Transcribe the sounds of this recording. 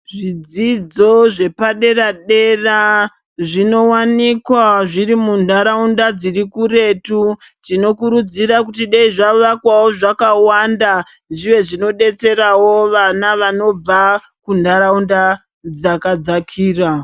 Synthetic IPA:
ʐid͡zid͡zo̞ʐe̞paɗe̞raɗera | ʐino̞wanikwaʐirimundaɾaundad͡zirikure̞tu | tino̞kuɾud͡ziɾakutiɗeiʐaʋakwawo̞ʐakawanda | ʐiʋe̞ʐino̞ɗe̞t͡se̞ɾawo̞ʋanaʋano̞b͡va | kundaɾaunda | d͡zakad͡zakʰiːra

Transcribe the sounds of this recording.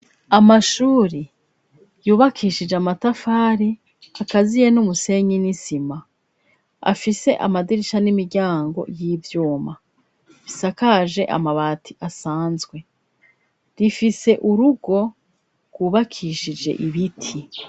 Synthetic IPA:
amaʃuːɾi | juːβakʰiːʃid͡ʒeamatafaːɾi | akazije̞numuse̞ɲinisima | a̰fise̞ʔa̰madiɾiʃanimiɾɟaːŋɡo̞̰jiːvjuːma | βi̥sakaːʒe̞ʔa̰maβaːtʰiʔasaːnzɡwe | ɾifise̞ʔuɾuɡo̞ | ɡ̥wuːβakʰiːʃid͡ʒe̞̰ʔiβitʰi

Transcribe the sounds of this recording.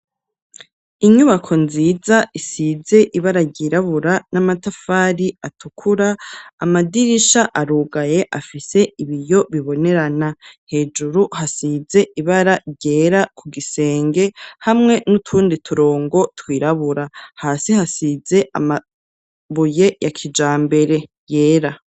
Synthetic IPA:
iɲuβakʰo̞nziːzaʔisize̞ʔiβaɾaɾɟiːɾaβuɾanamatafaɾiatʰukʰuɾaːmadiɾiʃaʔaɾuːɡaje̞ʔafise̞iβijoβiβo̞ne̞ɾanahe̞ːd͡ʒuɾuhasize̞ʔiβaɾaɾɟe̞ːɾakʰuɡise̞ːŋɡe̞hamŋe̞nutʰuːnditʰuɾo̞ːŋɡo̞twiːɾaβuɾahaːsihasize̞ʔa̰ma | βuje̞jakʰid͡ʒaːmbe̞ɾe̞ | je̞ːɾa

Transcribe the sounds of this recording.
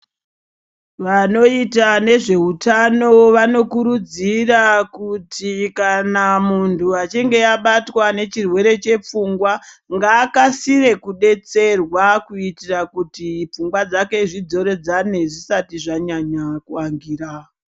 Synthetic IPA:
ʋano̞itane̞ʐe̞utano̞ʋano̞kuɾud͡zirakutʰikanamuntʰuat͡ʃiŋɡe̞jaɓatwane̞t͡ʃirwe̞ɾe̞t͡ʃe̞p͡fuŋɡwaŋɡaːkasire̞kuɗe̞t͡se̞rwakuitirakutip͡fuŋɡwad͡zake̞ʐid͡zo̞ɾe̞d͡zane̞ʐisatiʐaɲaɲakuaŋɡiːɾa

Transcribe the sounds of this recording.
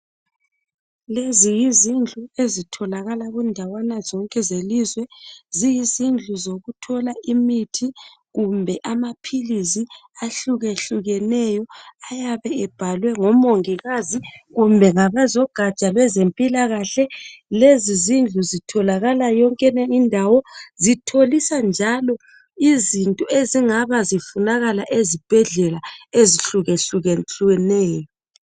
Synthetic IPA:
lezijizind͡ɮʱuezitʰɔlaɣalaɣundʱawanazɔŋkʼɛzeliːzwɛzijizind͡ɮʱuzoɣutʰɔlaʔimitʰi | ɣumbʱɛʔamapʰiliziaɬuɣeɬuɣɛnɛjɔajaβɛɛb̥ʱalwɛŋɔmoŋiɣaziɣumbʱɛŋaβazɔɡ̥ʱḁt͡ʃʼalwɛzempʼilaɣaɬɛlezizind͡ɮʱuzitʰɔlaɣalajɔŋkʼɛnɛindʱawɔzitʰolisand͡ʒʱalɔ | izintʼɔʔeziŋaβazifunaɣalaʔezib̥ʱɛɮɛlaeziɬuɣeɬuɣɛɬɛnɛːjɔ

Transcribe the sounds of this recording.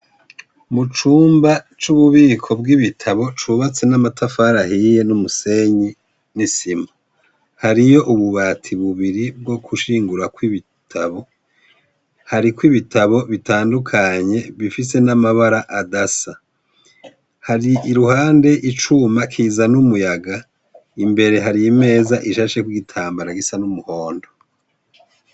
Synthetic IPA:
mut͡ʃuːmba | t͡ʃuβuβiːkʰo̞b̚ɡiβitʰaβo̞t͡ʃuβat͡se̞namatʰafaɾahije̞numuse̞ɲi | nisimu | haɾijo̞ʔuβuβatʰiβuβiɾib̚ɡo̞kʰuʃiːŋɡuɾakwiβi | tʰaβo̞ | haɾikwiβitʰaβo̞βitaːndukʰaɲe̞βifis̬e̞namaβaɾaʔadasa | haɾiiɾuhaːnde̞ʔit͡ʃumakʰiːzanumujaɡa | imbe̞ɾe̞ɦaɾime̞ːzaʔiʃaʃe̞kwiɡitʰaːmbaɾaɡisanumuho̞ːndo

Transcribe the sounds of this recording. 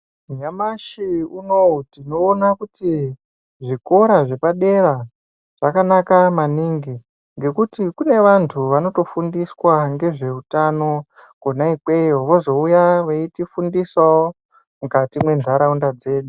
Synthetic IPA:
ɲamaʃiunoutino̞ːnakuti | ʐiko̞ɾaʐe̞paɗe̞ɾa | ʐ̥akanakamaniŋɡi | ŋɡe̞kutikune̞ʋantʰuʋano̞to̞fundiswaŋɡe̞ʐe̞utano̞ | konaikwejoʋo̞zo̞ujaʋeitifundiswao | mukatimwe̞nd͡ɮʱaɾaundad͡ze̞ːɗu

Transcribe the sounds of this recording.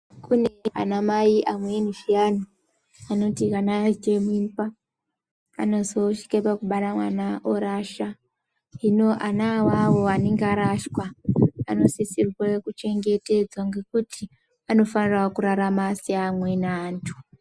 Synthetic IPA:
kune̞a̰namaiʔamweniʃiani | ano̞tikanad͡ʒemuimpa̰ː | no̞zo̞ʃi̥kepakuɓaɾamwanaʔoɾaʃa | ɦino̞ʔanawawo̞aneŋɡaɾaʃkwaa̰no̞sisirwekut͡ʃe̞ŋɡe̞te̞d͡zwaŋɡe̞kuti | ano̞fanirwakuɾaɾamasiamwe̞naːntʰu̥

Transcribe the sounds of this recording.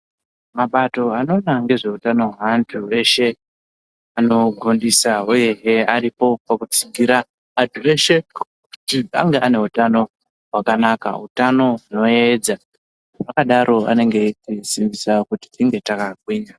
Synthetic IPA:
maɓato̞ano̞naŋɡe̞ʐe̞utano̞ɦantʰue̞ʃe̞ | ano̞ɡʱondisauje̞ɦeaɾipo̞pakut͡siɡʱiɾaː | tue̞ʃe̞ | kutia̰ŋɡeʔane̞utano̞ | ɦwakanaka̰ɦutano̞uno̞e̞d͡za | pakaɗaɾʔo̞a̰ne̞ŋɡe̞tisimbisakuti̥tiŋɡe̞takakwiːɲa

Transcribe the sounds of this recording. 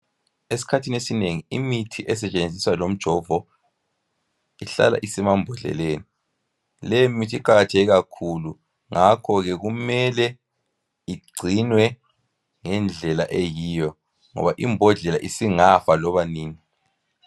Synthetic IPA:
esi̥kʰatʰinesineŋiimitʰiʔɛsɛt͡ʃʼend͡zʱiswalom̩d̥ʒ̥ʱɔvɔ | iɬa̰la̰ʔisimambʱɔɮɛ̰leːni | lɛjimitʰiiǃaɣatʰeɣiɣakʰulu | ŋakʰɔɣɛɣumɛlɛ | iɡ͡ǀʱinwɛ | ŋɛnd͡ɮʱɛlaʔejiːjɔ | ŋɔ̰βaʔimbʱɔɮɛla̰ʔisiŋafalɔβaniːni

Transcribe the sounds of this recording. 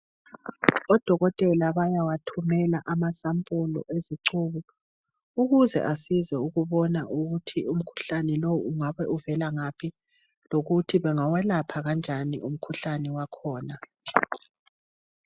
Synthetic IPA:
ɔd̥ʱɔɣɔtʼɛlaβajawatʰumɛlaʔamasampʼulɔ̰ʔeziǀuːβu | uɣuzɛ̰ʔasizɛuɣuβɔnaʔuɣutʰium̩kʰu̥ɬanɛlowuŋaβɛʔuvɛlaŋapʰi | loɣutʰiβɛŋawɛlapʰaɣand͡ʒʱanḭʔum̩kʰuɬanɛwakʰɔːna

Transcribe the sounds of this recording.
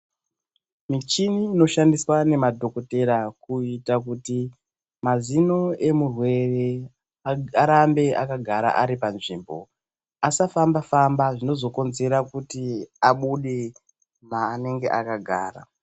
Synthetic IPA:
mit͡ʃiniːno̞ʃandiswane̞madʱo̞ko̞te̞ɾakuitak̬uti | mazino̞e̞murwe̞re̞ | aɾambe̞ʔakaɡʱaɾa̰ʔaɾipanʐiːmbo̞ | asafambafambaʐino̞zo̞ko̞nze̞ɾakutiaɓuɗe̞ | maːne̞ŋɡe̞ʔakaɡʱa̰ːra̰

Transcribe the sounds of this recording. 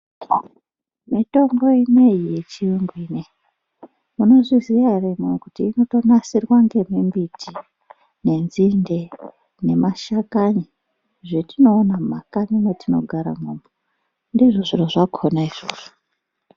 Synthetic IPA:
mito̞ŋɡo̞jimeijet͡ʃiuŋɡiːne | muno̞ʐiziaremwekutiːno̞to̞nasirwaŋɡe̞mimbitʰi | ne̞nzinde | ne̞maʃakaɲi | ʐetino̞ːnama̰kanimetʰino̞̰ɡʱaɾa̰mumbo | ndiʐoʐiroʐakʰonaiʐoʐo

